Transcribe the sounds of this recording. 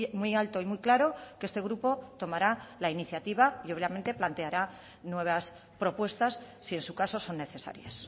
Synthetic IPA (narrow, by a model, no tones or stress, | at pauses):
mwujalt̪o̞imujklaɾo̞kee̞st̪e̞ɣ̞ɾupo̞t̪o̞maɾalainiθjat̪iβ̞aio̞βjament̪e̞plant̪e̞aɾa | nwe̞β̞as | pɾo̞pwe̞st̪asːie̞nsukaso̞so̞nːe̞θe̞sa̰ɾjas